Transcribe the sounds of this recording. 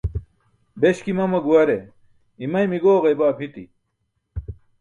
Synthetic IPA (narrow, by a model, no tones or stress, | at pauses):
beɕkimɐmɐɡuɐɾe | imɐjmiɡoːɣɐjbaːpʰit̪ḭ